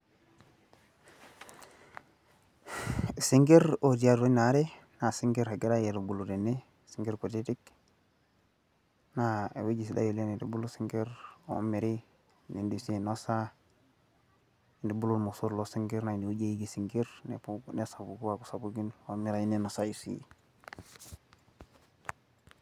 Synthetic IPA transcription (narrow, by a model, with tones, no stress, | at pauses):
si˦ŋɡe˦ɾo˨di˨a˦ɾɾo˦ɲna˦ɾe˦na˨si˦ŋɡe˦ɾha˨ɡi˦ɾa˦je˨du˨bu˨lu˨ɾe˨nːe˦ | siŋɡe˦ɾku˨ti˦ti˦k | naḛ˨we˦ɟi˨s̬i˨da̰˦jo˨le˦ni˨dḭ˨bu˦lu˦si˦ŋɡe˦ɾo̰miɾi | ni˨ndisi˦nosa˨ | ndi˨bu˦lulmo˨su˦ɾlosi˦ŋɡe˦ɾna˨ni˨wuɟe˦jiɡisiŋɡiɾnḛpunesa˨buɡu˦waku̥˨sabuɡinwomi˦ɾa˨ji˦nenosa˦jisḭ